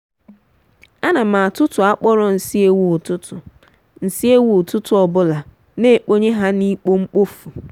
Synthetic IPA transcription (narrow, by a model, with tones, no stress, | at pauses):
a˦na˨mã˨a˨tʊ˦tʰʊ˨a˦k͡pɔ˦ɾɔ˦n̩˨si˦e˦wu˨tʰʊ˦tʰʊ˨ | n̩˨si˦e˦wu˨tʰʊ˦tʰʊ˦ɔ˨bʊ˦la˨ | ne˦e˨k͡po˦ɲe˦ɦa˦ni˦k͡po˦ŋ͡m̩˦k͡po˦fu˨